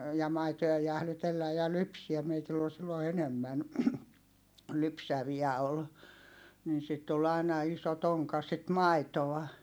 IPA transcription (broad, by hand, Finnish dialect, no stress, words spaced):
jɑ mɑitojɑ jæhlytelːæj̆ jɑ lypsiæm meitilː ol silːo enemːæn lypsæʋiæ ol niːn sit tul ɑi̯nɑ iso toŋkɑ sit mɑitoɑ